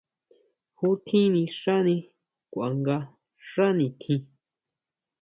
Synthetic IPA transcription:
hu˦t̪ʰĩ˦nĩ˧ʂa˦nĩ˧ | kʷa˨ŋɡa˧ | ʂa˦nĩ˧t̪ʰĩ˧

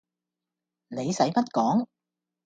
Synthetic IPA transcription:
ne˨˧jsɐ˨˥jpɐ˥t̚kɔː˨˥ŋ

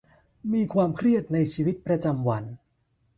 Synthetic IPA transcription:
miː˧kʰwaː˧mkʰɾi˥˩ət̪̚na˧jt͡ɕʰiː˧wi˦˥t̪̚pɾa˧t͡ɕa˧mwa˧n

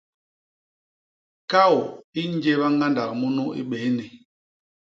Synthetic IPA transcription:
ka˦˨wi˦n˦d͡ʒe˦βa˦ŋɡa˦nda˨k̚mu˦nu˦ḭ˦ɓe˨˦ni˨

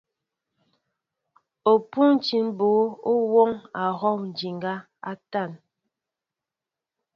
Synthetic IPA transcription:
o˨pu˦n˦t͡ʃi˨˦n˦bo˨˦o˦wo˦ŋa˨ɣɔ˦˨wn̩˨d͡ʒi˨ŋɡa˦ | a̰˦ta˦˨n

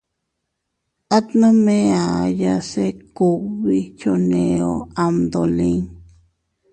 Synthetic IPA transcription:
a˦t̪nã˦mẽ˦a˨ja˧se˦ku˦βi˦t͡ʃo˧nẽ˨˧o˦˧a˧md̪o˨lĩ˦ŋ

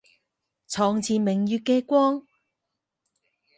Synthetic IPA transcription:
t͡sʰɔː˨˧ŋt͡sʰiː˨mɪ˨ŋjyː˧t̚kːɛː˧kʷwɔː˥ŋ

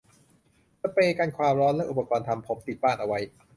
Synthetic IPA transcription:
sa˧˥peː˧kaː˧nkʰwaː˧mɾɔː˦˥nlɛ˦˥ʔu˨˩pːa˧kɔː˧nt̪ʰa˧mpʰo˩˦mpi˨˩t̪̚baː˥˩nʔa˧wa˦˥j

